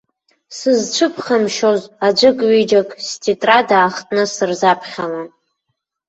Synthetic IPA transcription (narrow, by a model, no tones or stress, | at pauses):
sɨzt͡ʃʷʰɨpʰχamʃozad͡ʒʷɨkʼɥid͡ʒakʼstʰitʼradaːχtʼnɨsɨrzapʰχʲalan